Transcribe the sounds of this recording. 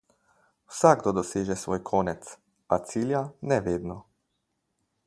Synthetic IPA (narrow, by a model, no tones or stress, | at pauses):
wsaɡ̚d̪ɔd̪ɔseːʒɛsʋoːjkʰoːnɛt̪s | at̪siːljanɛʋeːd̪nɔ